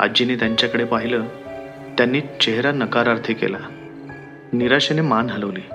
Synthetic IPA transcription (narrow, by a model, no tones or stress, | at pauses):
a̰d͡ʑiniːt̪jaɲt͡ɕjakəɽepaɦiləː | t̪janːiːt͡ɕeɦɾanəkaɾaɾt̪ʰekḛla | niɾaɕenemanɦələʋliː